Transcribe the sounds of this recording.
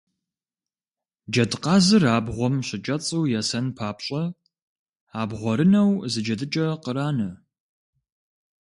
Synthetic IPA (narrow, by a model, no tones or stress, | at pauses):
d͡ʒɐdqɑːzɨraːbʁʷɔmɕɪt͡ʃʼɐt͡sʼuwjɛsɐnpʰaːpɕʼɐ | aːbʁʷɔɾɨnɐwzɨd͡ʒɐdɨt͡ʃʼɐqəɾaːnɐ